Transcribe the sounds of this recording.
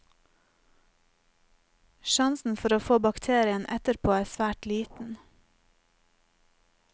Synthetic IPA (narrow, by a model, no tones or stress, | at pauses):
ʃɑnsn̩fɔɾoːfoːbɑkt̪ʰeːɾɪənʔɛ̰t̪əɾpʰoːæːsʋæːʈliːt̪n̩